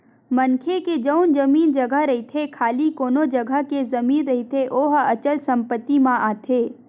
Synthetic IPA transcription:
mɐnkʰeked͡ʒəʊnd͡ʒɐmiːnd͡ʒɐɡəɦɾɐɦit̪ʰekʰaːlikoːnod͡ʒəɡʱəɦkezɐmiːnɾɐɦit̪ʰeʔoːɦɐt͡ʃəlsɐ̃mpət̪ːimãʔaːt̪ʰeː

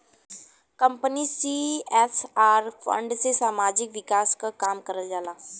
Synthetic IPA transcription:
kəmpənisiesaɾfʰə̰ɳɖt͡sesamad͡ʑikʋikaskəkamkəɾəld͡zalaː

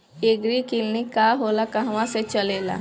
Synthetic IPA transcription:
eːɡɾikilnikaɦoːlakaɦʋãset͡ʃəleːla̰ː

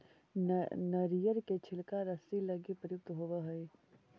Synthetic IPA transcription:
nɐɾijəɾket͡ʃʰɪlkaɾɐsilɐɡipəjʊk̚t̪ɦoʋəɦɐe

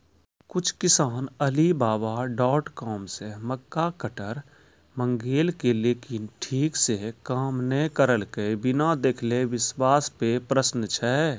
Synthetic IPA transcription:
kʊt͡ʃʰkɪsaːnəlibaːbaɖɔːʈkɔːmseməkːakəʈəɾ | mə̃ŋɡeːlkeleːkɪnʈʰiːksekaːmnəɦkəɾəlkebɪnad̪eːkʰleʋɪswaːspepɾəsnt͡ʃʰɛ

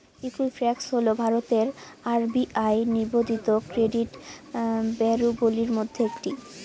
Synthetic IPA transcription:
ikulfɾɛksɦolobʱaɾot̪eɾaɾbiʔajniɾbod̪ʱit̪okɾeɖiʈ | bɛɾuboliɾmod̪ʱːeekʈi

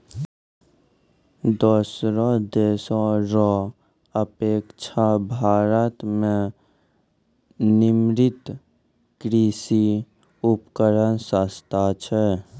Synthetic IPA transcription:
d̪oːsɾɔ̃d̪eːsɔɾɔ | əpeːkt͡ʃʰabʱaːɾət̪mẽ | nɪmɾɪt̪ | kɾisi | upkəɾənsəst̪ʰat͡ʃʰɛ

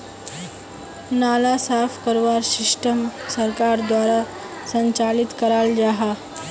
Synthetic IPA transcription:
nalasafkəɾʋaɾsiʂʈəmsəɾkaɾd̪ʋaɾa | səɲt͡ɕalit̪kəɾald͡ʑaɦa

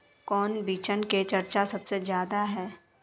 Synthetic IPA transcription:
kɔːnbiːt͡ʃənket͡ʃɐɾt͡ʃasɐbsezjaːd̪aɦɛː

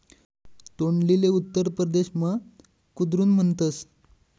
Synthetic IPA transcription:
t̪oɳlileut̪ːəɾpɾəd̪eɕmə | kud̪ɾuːnm̤əɳt̪əs

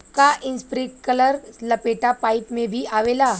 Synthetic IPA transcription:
kaʔinspɾiʈkələɾləpeʈapaipmebʱiːaʋela

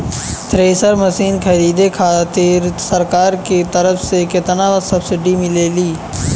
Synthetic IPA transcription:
t̪ɾeːsəɾməsiːnkʰəɾiːd̪ekʰaːt̪ɪɾsəɾkaːɾket̪əɾəfʰsekɪt̪ənaːʋəsəbsɪɖimɪleːliː

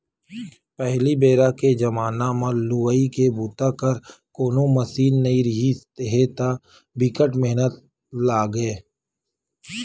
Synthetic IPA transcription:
pɛɦlibeːɾaked͡ʒɐmaːnamãluːəikebuːt̪akəɾkoːnõmɐsiːnːɐiɾɪɦist̪eɦet̪a | bɪkəʈmeɦnət̪̚ | laːɡeː

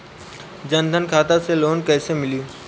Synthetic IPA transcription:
d͡ʒə̃nd̪ʱənkʰaːt̪aseloːnkəːɪsemɪljuː

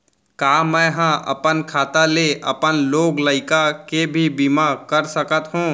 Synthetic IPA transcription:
kaːmɛ̃ɦãʔɐ̰pənkʰaːt̪aleʔɐ̰pənloːɡləɪkakebʱibimaːkəɾsəkət̪ɦũː

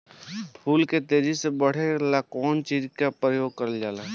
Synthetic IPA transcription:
pʰuːlket̪eːd͡ʒisebəɽ̤elakɔːnt͡ʃiːd͡ʒkapɾəjoːɡ̚kəɾəld͡ʒaːlaː

